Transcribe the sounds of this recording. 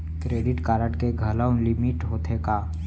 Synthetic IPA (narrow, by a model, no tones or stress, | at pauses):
kɾeːɖɪʈkaːɾəʈkeɡʱələũlɪmɪʈɦoːt̪ʰekaː